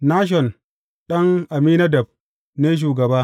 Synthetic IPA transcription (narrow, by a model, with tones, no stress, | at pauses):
naː˦ʃ̬ɔ˨n | ɗɐ˦ŋʔa˨miː˦na˦dɐ˨b̚ | ne˦ʃ̬uː˨ɡɐ˨baː˦